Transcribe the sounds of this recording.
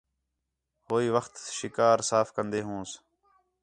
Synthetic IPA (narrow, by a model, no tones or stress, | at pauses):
ɦoːiːʋəxt̪ʃɪkaːɾsaːfkənd̪eːɦũːs